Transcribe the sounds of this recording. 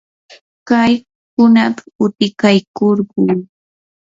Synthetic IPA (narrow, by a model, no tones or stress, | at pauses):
kaj | kʊnapʊt̪ɪkajkoɾɢʊŋ